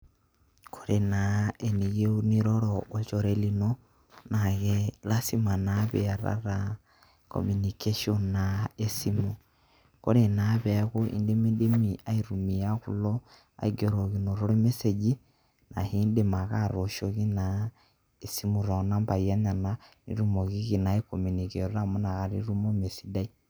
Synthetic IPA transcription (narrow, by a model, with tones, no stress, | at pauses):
ko˨ɾe˨nae˨ni˨ɣe˦u˦ni˦ɾɔ˦ɾɔʔːt͡ʃo˨ɾe˨li˨no˦ | na˨ɣɛla˦si˦ma˨naβɛ̰˨a˨ɾa̰˦ɾa˨ | ko̰mu˨nike˦ʃiɔ˦nnae˦si˦mu˨ | ko̰˦ɾe˨naβɛ˨˦ɣo˦ʔḭ˦nde˦me˦de˦mi˦ʔa˦iɾu˨mi˨a˦ku˦lɔ˦ | a̰˨iɡe˨ɾo˨ɣi˨no˨ɾo˦ɾe˦me˦se˨d͡ʒi˦ | na˨heː˦nde˦ma˨ɣa˦ɾo˨ʃo˦ɣi˦na˨ | e˨si˦mu˨ɾa˨na˦mba˨i˨a˦ɲa˨na˦nḭ˦ɾu˦mɔ˨ɣi˦ɣi˨na˨e˦ko˨mi˨ni˨ke˨ɾɔ˦ɾa˦mo˦na˨ɣa˨ɾi˦ɾu˦mo˦me˨si˦da˦i˦